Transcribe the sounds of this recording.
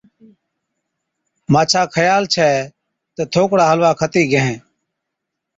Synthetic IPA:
maːt͡ʃʰaːkʰəjaːlt͡ʃʰɛː | t̪ət̪ʰoːkɽaːɦəlʋaːkʰət̪iːɡʱəẽː

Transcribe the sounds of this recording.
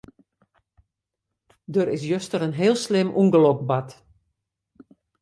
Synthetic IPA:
døɾɪs̬jøstəɾənɦeːlˠslɪmʔunɡəlɔkbat

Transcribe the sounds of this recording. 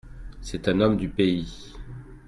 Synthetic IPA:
sɛt̪ɛ̃nɔmd̪ypei

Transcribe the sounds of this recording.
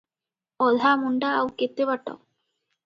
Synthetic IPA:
ɔd̪ʱamuɳɖaːwket̪ːebaʈːa̰w

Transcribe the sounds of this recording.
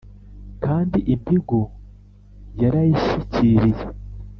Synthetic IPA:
kaːndiʔimbiɡo | jaɾajiʃiciɾije

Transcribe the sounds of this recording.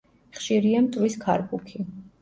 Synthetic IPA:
χʃiɾiamt̪ʼwiskʰa̰ɾkʼukʰi

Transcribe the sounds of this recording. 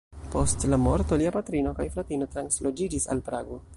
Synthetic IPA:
po̞stlamo̞ɾto̞liapatɾino̞kajflatino̞tɾanslo̞d͡ʒid͡ʒisa̰lpɾaɡo̞

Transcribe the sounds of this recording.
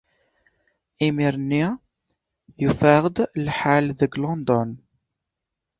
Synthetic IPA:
imiɾnːi | jufaʁəd̪lħalðəɡlɔnd̪ɔn

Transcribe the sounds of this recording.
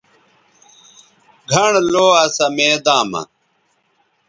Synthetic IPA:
ɡʱɐɳloːɐsɐmeːd̪ãːmɐ̰

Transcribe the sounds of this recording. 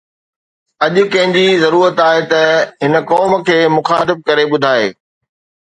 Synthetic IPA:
ɐʄʊ̆kɐ̃ɦɪ̃ɲd͡ʑizɐɾuːɾət̪aːɦet̪ɐɦɪnə̆kɔːmkʰeːmʊxaːt̪ɪb̚kɐɾeɓʊd̪ʱaːḛː

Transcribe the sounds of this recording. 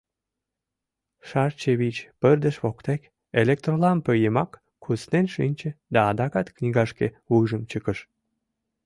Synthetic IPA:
ʃɑrt͡ɕeβit͡ɕpərd̪əʃβokt̪ek | elek̚t̪rolɑmpøjemɑkː | usnenʃinʲt͡ɕed̪ɑːd̪ɑkɑt̪knʲiɣɑʃke | uʒəmt͡ɕəkəʃ

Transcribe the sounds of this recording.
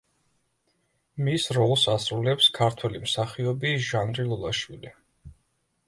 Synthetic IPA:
misɾɔlˠsasɾulɛpskʰaɾt̪ʰwɛlimsaχiɔbiʒanɾilˠɔlˠaʃwili

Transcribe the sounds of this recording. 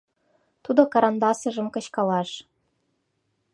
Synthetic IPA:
t̪ud̪okɑɾɑnd̪ɑsɤ̆ʒɤ̆mkɤ̆ɕkɑlɑʃ

